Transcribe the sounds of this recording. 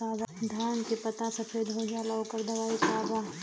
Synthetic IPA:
aːbd̪ʱjaːnkipɐt̪asɐfeːd̪ɦod͡ʒaːlaokəɾd̪ɐʋaːikaːbaː

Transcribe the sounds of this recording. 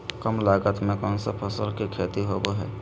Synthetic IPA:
kəmlaːɡət̪mẽkɔːnsəpʰəsəlkikʰeːt̪iɦoboɦɛ̰ː

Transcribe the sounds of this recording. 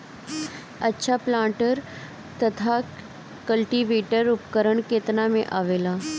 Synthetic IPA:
ətːʃʰaplãːʈəɾ | t̪ət̪ʰa | kəlʈiʋeːʈəɾʊpkəɾəɳkeːt̪namẽʔaːʋeːla

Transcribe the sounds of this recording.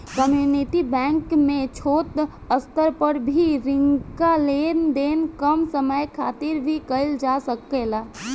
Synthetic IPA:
kəmjuniʈibɛ̃ːŋkmẽt͡ʃʰoːt̪ | əst̪əɾpəɾbʱiɾɪ̃ŋkaleːnd̪eːnkəmsəməjkʰaːt̪ɪɾbʱikəɪld͡ʒasəkːelaː

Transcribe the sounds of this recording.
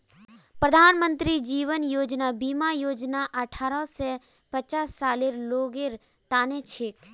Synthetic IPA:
pɾəd̪ʱaːnmə̃nt̪ɾid͡ʒiːʋənjoːd͡ʒnabiːmajoːd͡ʒnaʔɐʈʰaːɾɔse | pət͡ʃaːsːaːliɾloːɡeɾ | t̪aːnet͡ʃʰɪk

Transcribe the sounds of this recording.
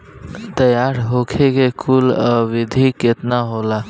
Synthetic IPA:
t̪əjaɾɦokʰekekʰuləʋid̪ʱiket̪naɦola

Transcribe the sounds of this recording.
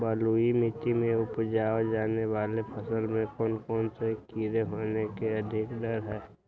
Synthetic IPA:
bəːluimɪt̪imẽʊpd͡ʒaːd͡ʒaːneʋaːlepʰəsəlmẽkɔːnkɔːnsekiɾeɦoːnekeəd̪ʱɪkdəɾɦɛː

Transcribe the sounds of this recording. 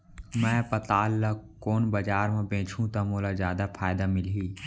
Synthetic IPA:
mɛ̃ːpɐt̪aːlːakoːnbɐd͡ʒaːɾmẽbẽːt͡ʃʰũt̪amoːlazaːd̪apʰaːjd̪amɪlɦiː

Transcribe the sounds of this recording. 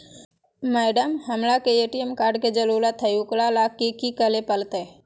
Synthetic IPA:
mɛːɖəmhəmlakeeːʈijemkaːɾɖked͡ʒəluːlat̪ʰːəjuklalakːekikəlepəlt̪e

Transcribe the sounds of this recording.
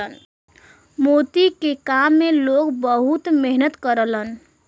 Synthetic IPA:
ən | mot̪ikekamːelokbəɦut̪meɦnət̪kəɾələn

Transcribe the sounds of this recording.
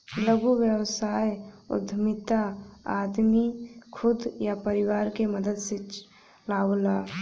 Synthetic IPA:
ləɡuwjəwsaːjʊ̰d̪ʱmɪt̪aad̪mikʰʊd̪japəɾɪwaːɾkeməd̪əd̪se | laːola

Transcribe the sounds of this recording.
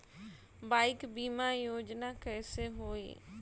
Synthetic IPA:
baːɪkbiːmaːjoːd͡ʒnaːkɛːseːɦoːḭː

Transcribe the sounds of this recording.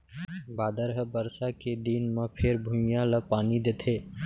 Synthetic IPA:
baːd̪əɾɦəbəɾsaked̪inmãpʰɪɾbʱũmɪjãləpaːnid̪eːt̪ʰeː

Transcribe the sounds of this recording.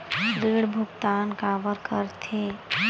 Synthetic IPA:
ɾiɽbʱʊɡt̪aːnkaːbəɾkəɾt̪ʰe

